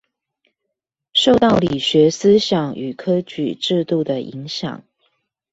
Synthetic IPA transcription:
ʂo˥˧ʊt̪ɑ˥˩ʊli˨˩ɕɥɛ˧˥s̩˦ɕjɑ˨˩˦ŋy˨˩kʰɤ˥t͡ɕy̰˨˩ʈ͡ʂɻ̩˥˧t̪u˥˩d̪ə˩ʔi˧˥ŋɕjɑ̰˨˩˦ŋ

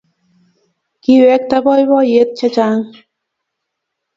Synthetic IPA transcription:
ki˨wɛ˨˧˦k̚t̪a˦bɔ˦jbɔ˦je˨˦t̪̚t͡ʃa˦t͡ʃa˧˦ŋ

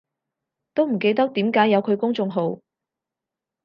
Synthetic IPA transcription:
t̪o˥wm̩˨˩ke˧jt̪̬ɐ˥k̚t̪iː˨˥mkaː˨˥jːɐ˨˧wkʰɵ˨˧ɥkʊ˥ŋt͡sʊ˧ŋɦo˨˧w

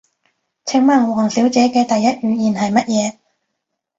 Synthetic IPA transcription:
t͡sʰɪ˧˥ŋmaː˨˩ŋ˨wɔː˨˩ŋsiː˨˥wt͡sɛː˨˥kɛː˧t̪ɐ˨jːɐ˥t̚jyː˨˧jiː˨˩nɦɐ˨jmɐ˥t̚jɛː˨˧

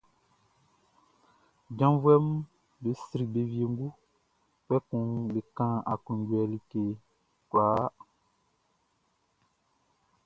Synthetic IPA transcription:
d͡ʒã˦vwɛ˦m˦ | be˨˦si˨˦ɾi˨be˨vje˨ŋ˦ɡu˦ | pɛ˦kũ˨ŋbe˨kã˦a˨kũ˨ŋ˦ɟwɛ˨li˦ke˨ | klaː˨˦

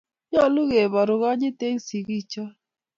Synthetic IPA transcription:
ɲa˦˨lu˦ɣe˨βa˨ɾu˨ɣa˦ɲi˦t̪e˦ŋ˦si˨ɣi˦˨t͡ʃa˦

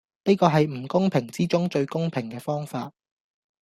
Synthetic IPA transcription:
niː˥kɔː˧ɦɐ˨jm̩˨˩kʊ˥ŋpʰɪ˨˩ŋt͡siː˥t͡sʊ˥ŋt͡ʃɵ˧ɥkʊ˥ŋpʰɪ˨˩ŋkɛː˧fɔː˥ŋfaː˧t̚

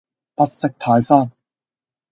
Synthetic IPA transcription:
pɐ˥t̚sɪ˥k̚t̪ʰaː˨˧jsaː˥˩n

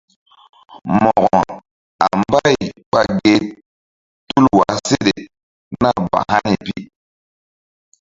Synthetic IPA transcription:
mɔ˨ɣɔ˨ | a˨mba˦jk͡pa˨ɡe˨ | tu˦lwa˨se˦ɗe˨ | na˦ba̰˨ha˦ɲi˨pi˦

